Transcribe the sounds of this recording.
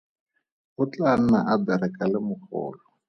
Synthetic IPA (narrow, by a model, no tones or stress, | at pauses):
ʊt͡ɬan̩naʔadaɾɪkʼalɪmʊχɔ̰ːlɔ